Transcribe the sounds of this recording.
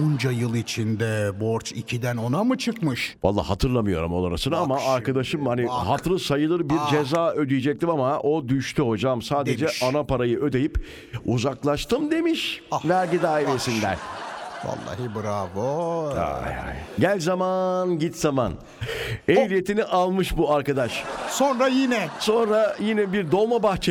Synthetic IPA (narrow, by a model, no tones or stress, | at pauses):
und͡ʒajɯlˠit͡ʃʰind̪ɛboɾt͡ʃʰicʰid̪æno̞namɯt͡ʃʰɯkmɯʃva̰lˠːa̰ːhat̪ʰɯɾlˠamɯjo̞ɾumo̞lˠaɾasɯnaamaːɾkad̪aʃɯmhaniɦat̪ɾɯsajɯlˠɯɾbiɾd͡ʒezaːø̞d̪yjed͡ʒɛc̚t̪imamaʔo̞d̪yʃt̪ʰyho̞d͡ʒamsaːd̪e̞d͡ʒɛanapaɾajɯʔø̞d̪e̞jip | uzaklˠaʃt̪ɯmd̪e̞miʃvæɾɟid̪aːiɾesind̪æ̰ɾʲva̰lˠːa̰ːɦɯbɯɾavoa̰ja̰jɟælʲzamanɟit̪z̥ama̰n | ejlʲijet̪ʰiniʔalˠmɯʃbuaɾkad̪aʃsonɾajinɛso̞nɾajinɛbiɾd̪o̞lˠmabaxt͡ʃʰe